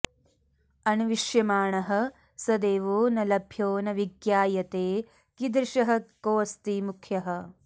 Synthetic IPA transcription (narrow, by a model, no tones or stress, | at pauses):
ɐnuʋiʃjɐmaːɳɐɦɐ̆ | sɐd̪eːʋoːnɐlɐbʱjoːnɐʋiɡjaːjɐt̪eː | kid̪ɾʃɐɦɐkoːst̪imukʰjɐɦɐ